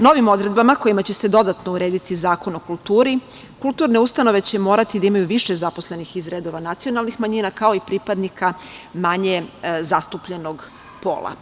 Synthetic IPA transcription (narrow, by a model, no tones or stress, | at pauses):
no̞ʋimo̞d̪ɾe̞d̪̚bamako̞jimat͡ɕe̞se̞d̪o̞d̪at̪nouɾe̞ːd̪it̪izaːko̞no̞kulˠt̪uːɾi | kulˠt̪uːɾne̞ust̪ano̞ʋe̞t͡ɕe̞mo̞ːɾat̪id̪aimajuʋiʃe̞zapo̞sle̞nixizɾed̪o̞ʋanat̪sijo̞nalnixmaɲiːnakao̞ipɾipad̪nikʰamaɲe̞zast̪upʎe̞no̞ɡ | po̞̰ːlˠa̰